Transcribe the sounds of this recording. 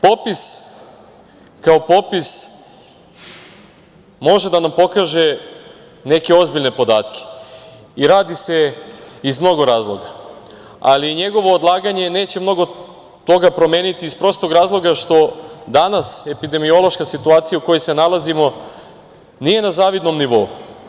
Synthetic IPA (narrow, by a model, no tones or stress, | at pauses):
po̞pis | kao̞po̞pis | mo̞ʒed̪anampo̞kaʒe̞ | ne̞ke̞o̞zbiʎne̞po̞d̪a̰ːt̪kʰe̥ | iɾaːd̪ise̞izmno̞ɡo̞ɾaːzlˠo̞ɡa | a̰liɲe̞ɡo̞ʋoːd̪lˠaːɡaɲe̞ne̞ːt͡ɕe̞mno̞ɡo̞ | t̪o̞ɡapɾo̞me̞ːnit̪iːspɾo̞st̪o̞ɡɾaːzlˠo̞ɡaʃt̪o̞d̪anase̞pid̪e̞mio̞lˠo̞ʃkasit̪uaːt̪sijauko̞jejse̞nalˠazimo̞ | nije̞nazaːʋid̪no̞mniʋo̞ṵ